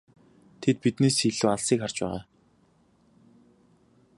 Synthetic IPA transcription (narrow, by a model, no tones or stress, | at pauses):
t̪ʰet̪̚pit̪neːsxiɮuːaɮsiːkχar̥t͡ɕpæ̰ːʁa̰ː